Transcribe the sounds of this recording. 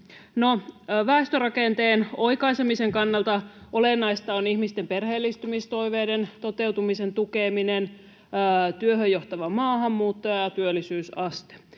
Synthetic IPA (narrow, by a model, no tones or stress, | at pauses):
noʋæːst̪ørɑkent̪eːnoikɑisemiseŋkɑnːɑlt̪ɑʔolenːɑist̪ɑonihmist̪emperheːlːist̪ymist̪o̞iʋeːdent̪o̞t̪e̞wt̪umisent̪ukeminenː | t̪yøɦøjoht̪ɑʋɑmɑːhɑmːuːt̪ːojɑjɑt̪yølːˑisyːsɑst̪e̥